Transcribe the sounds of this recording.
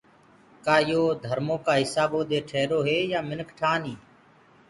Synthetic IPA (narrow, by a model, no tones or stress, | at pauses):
kaːjoːd̪ʱəɾmõːkaːɦɪsaːbõːd̪eːʈʰeːɾoːɦeːjaːmɪnkʰʈʰaːniː